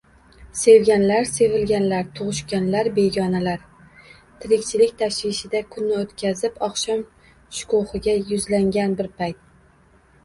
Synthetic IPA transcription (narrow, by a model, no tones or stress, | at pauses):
se̞wɡʲanlaɾse̞vɪlɡʲanlaɾt̪ʰʊʁʊʃkʲanlaɾbe̞ɡʲɒnalaɾ | t̪ʰɪɾɪkʲt͡ʃʰɪlɪkʲt̪ʰaʃvɪʃɪd̪akʰʊnːɪot̪kʲʰazɪpɒχʃɒm | ʃʊ̥kʊhɨɡʲajʊzlaŋɡʲanbɪɾpʰajt̪̚